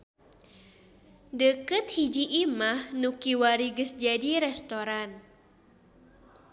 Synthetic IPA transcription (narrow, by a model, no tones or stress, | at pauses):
dəkɨt̪̚hid͡ʒiʔːmahnukiwaɾiɡəsd͡ʒadiɾɛst̪oɾan